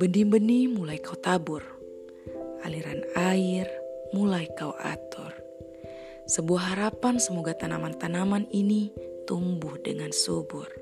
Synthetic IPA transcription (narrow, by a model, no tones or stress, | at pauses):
bəndimbənimulajkaut̪abur | ʔa̰liɾanairmulajkauʔa̰t̪ur | səbuaɦːaɾapansəmoɡat̪anamant̪anamaninit̪umbuhdəŋansubur